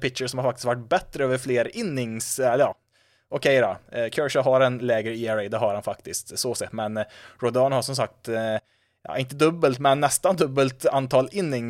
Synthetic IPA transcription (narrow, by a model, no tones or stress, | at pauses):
pɪkʂəʂɔmhaɾfakt̪ɪ̥skt̪vaʈːbɛt̪ɾəøːvəɾfleːɾɪnːɪŋsɛləjɑː | ʔɔkʰɛjɾɑkʰœɹʂaɦɑɾɛnlɛːɡəɾiæɾɛɪd̪ɛɦaɾhanfak̚t̪ɪskt̪soːsɛmɛnɾɔd̪ɑːnhaʂɔmsak̚t̪ | jɑ̰ːɪnt̪əd̪ɵbːəlt̪mɛnːɛst̪and̪ɵbːəlt̪ant̪ʰɑːlɪnːɪŋ